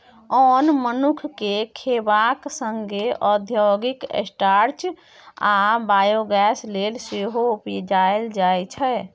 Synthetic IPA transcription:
ɔnmənukʰkekʰebaksəŋɡeʔəd̪ʱjoɡikḛsʈaɾt͡ʃ | abajoɡɛslelseɦoupid͡ʒaeld͡ʒajt͡ʃʰɛ

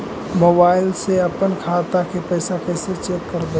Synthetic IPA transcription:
moːbaːɪlseɐpənkʰaːt̪akepəɪsakəɪset͡ʃeːkːəɾd̪e

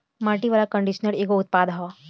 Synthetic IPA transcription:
maːʈiʋaːlakə̃ɳɖiʃnəleːɡoʊt̪̚paːd̪ɦa

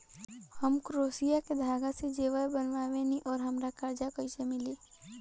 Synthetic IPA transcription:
həmkɾoːsijaked̪ʱaːɡased͡ʒeːʋəlbənʋaːʋenĩʔɔːɾɦɐmɾakaɾd͡ʒakɔɪt͡ʃemɪliː

